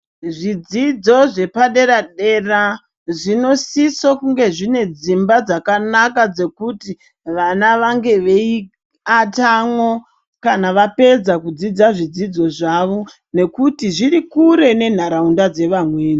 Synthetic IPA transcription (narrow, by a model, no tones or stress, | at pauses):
ʐid͡zid͡zo̞ʐe̞paɗe̞ɾaɗe̞ra | ʐino̞sisokuŋɡe̞ʐine̞d͡zimbad͡zakanakad͡ze̞kuti | ʋanaʋaŋɡe̞ʋe̞i | atamwo̞ | kanaʋape̞d͡zakud͡zid͡zaʐid͡zid͡zo̞ʐaʋo̞ | ne̞kutiʐiɾikuɾe̞ne̞n̤aɾaundad͡ze̞ʋamweːni